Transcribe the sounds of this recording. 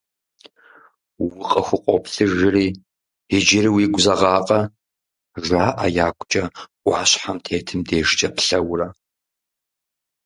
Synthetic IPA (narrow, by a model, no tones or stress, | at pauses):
wwʊqʼɐxʷʊqʷʼɔpɬɨʒɪriː | ɪd͡ʒɪriwiːɡʷʊzɐʁɑːqʼɐ | ʒʷaːʔajaːkʷʰʼt͡ʃʼɐ | ɑːɕħamtʰeːtʰɨmdeːʒt͡ʃʼɐpʰɬɐwrɐ